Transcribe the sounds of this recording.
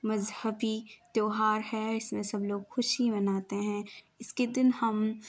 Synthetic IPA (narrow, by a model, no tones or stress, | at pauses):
mɐzhəbit̪joːɦaːɾɦɛɪsmẽsɐbloːɡxʊʃɦibɐnaːt̪eɦɛ̃ː | ɪsked̪ɪnhɐm